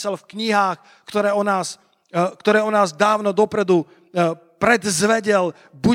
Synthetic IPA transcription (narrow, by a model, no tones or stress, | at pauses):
salfkɲiɦaːx | kt̪ɔɾɛːɔnaːs | kt̪ɔɾɛːɔnaːzd̪aːʊnɔd̪ɔpɾɛd̪u | pɾɛd̪zʋɛɟɛl | bu